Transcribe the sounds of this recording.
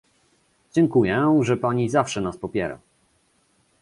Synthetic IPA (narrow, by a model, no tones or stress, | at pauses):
d͡ʑɛŋkujɛʐɛpaɲizafʂɛnaspɔpʲjɛɾa̰